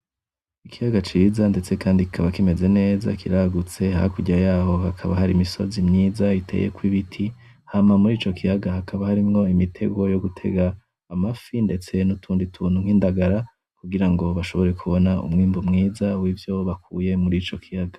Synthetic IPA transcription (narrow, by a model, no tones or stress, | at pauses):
ikʰijaɡat͡ʃiːzande̞t͡se̞kaːndikikʰaβakime̞ze̞ne̞ːza̰kiɾaɡut͡se̞ɦa̰akuɟiajaːɦo̞hakʰaβahaɾimiso̰zimɲiːzaitʰe̞̰je̞̰kwiβitʰi | hamamuɾiːt͡ʃo̞kʰijaɡahakʰaβahaɾimŋo̞imitʰe̞̰ɡwo̞jo̞ɡutʰe̞̰ɡaː | mafinde̞t͡se̞nutʰuːnditʰuːnhuŋ̥hiːndaɡaɾa | kuɡiɾaŋɡo̞βaʃo̞βo̞ɾe̞kʰuβo̞naṵmŋiːmbumŋiːzawivjo̞βakṵːje̞muɾiːt͡ʃo̞kʰijaɡḁ